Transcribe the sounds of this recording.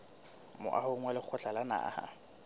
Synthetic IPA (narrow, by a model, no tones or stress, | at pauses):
mʊ̰ʔa̰hʊŋwɛlɪk͡xʰʊt͡ɬalana̰ha̰